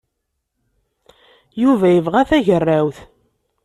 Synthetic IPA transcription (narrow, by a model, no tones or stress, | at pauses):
juvæjəvʁæθæʝərːæwθ